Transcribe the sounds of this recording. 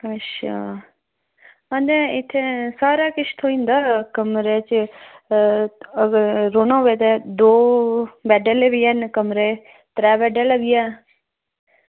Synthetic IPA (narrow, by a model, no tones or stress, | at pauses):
ətːʃʰaː | ə̃nd̪ẽːɪt̪ʰːeːsaːɾaːkɪt͡ʃʰt̪ʰoːĩːnd̪aːkəmɾeːt͡ʃ | əɾoːnãːʋeːt̪ɛːd̪oːbɛːɖəleʋiːɛnkəmɾeː | t̪ɾɛːbɛːɖəːlɛbiːɛː